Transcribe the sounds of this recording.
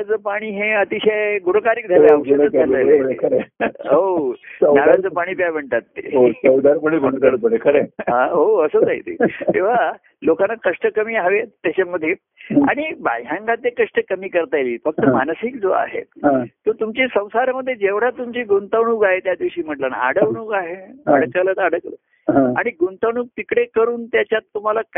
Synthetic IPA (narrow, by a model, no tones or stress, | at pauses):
ad͡zəpaɽ̃iːɦeət̪iɕajɡuɽ̤əkaɾiːk̚d̪ʱeleaʋəəəaləekəɾeoənaɾad͡zəpaɽ̃iːpjabəɳt̪at̪ːḛosəwd̪aɾpəɳibʱəɳkəɽət̪̚pəɽekʰəɾeɦãɦoəsəːd͡zaḭt̪ḛt̪ĩʋ̤a | lokanːakəʂʈəkəmiːaʋet̪jat͡ɕaməd̪ʱːje | a̰ɽ̃iba̰jɦãŋɡat̪jekəʂʈəkəmiːkəɾt̪ajliːfək̚t̪əmansiːk̚d͡zoa̰ɦḛãt̪ot̪umt͡ɕiːsə̃w̃saɾməd̪ʱːjed͡ʑeʋɽ̤at̪umt͡ɕiːɡunt̪əʋɳuːɡaɦet̪jad̪iʋɕiːm̤əʈləna̰a̰ɽəʋɳuːɡaɦeaɽkələt̪aɽəklə | aa̰ɽ̃iɡunt̪əʋɳuːk̚t̪ikɽekəɾuːnt̪jat͡ɕjat̪ːum̤alak